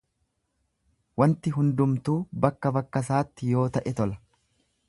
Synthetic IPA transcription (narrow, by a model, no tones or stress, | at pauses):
wɐnt̪ɪɦʊnd̪ʊmt̪uːbɐkːɐbɐkːɐsaːt̪ːɪjo̞ːt̪ɐʔɛt̪ɔlɐ̥